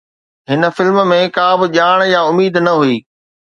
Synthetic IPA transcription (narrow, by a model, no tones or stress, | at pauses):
ɦɪnə̆fɪlm̆mẽkaːbɪʄaːɽ̃jaʊmiːd̪nɐɦuiː